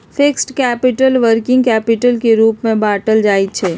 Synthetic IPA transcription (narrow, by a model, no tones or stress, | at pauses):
fʰɪksʈkɛːpɪʈəlʋəɾkɪ̃ŋɡkɛːpɪʈəlkeɾuːpmẽbaːʈəld͡ʒaːit͡ʃʰɛː